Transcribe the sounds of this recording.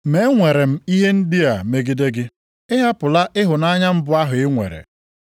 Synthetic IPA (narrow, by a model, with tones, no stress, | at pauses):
me˦ŋʷe˨ɾe˨m̩˦i˦ɦe˦n̩˦dɪ˦a˨me˨ɡi˦de˦ɡɪ˦ | ɪ˦ɦa˦pʊ˨la˦ʔɪ˦ɦʊ˨na˦ɲa˦m̩˦bʊ˦a˦ɦʊ˨ɪ˦ŋʷḛ˨ɾḛ˨